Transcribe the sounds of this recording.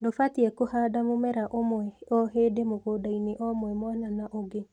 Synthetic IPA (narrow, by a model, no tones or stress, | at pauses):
ndofatiɛkohadamomɛɾaʔomwɛɔɦeːdemoɣodaineʔɔmwɛmwananaʔoɡe